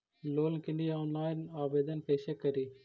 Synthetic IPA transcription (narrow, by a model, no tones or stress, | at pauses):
loːlkiniaːnlaːjnaːʋeːd̪ɐnpeːʃekːɐɾi